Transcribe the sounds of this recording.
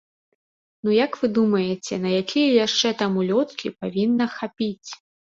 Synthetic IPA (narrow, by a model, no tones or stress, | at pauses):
nujakvɨd̪umɐjɛt͡sʲɛn̪ɐjakʲʰijɐjaʂt͡ʂɛt̪amulʲɔt̪kʲḭpavʲinːɐxapʲit͡sʲ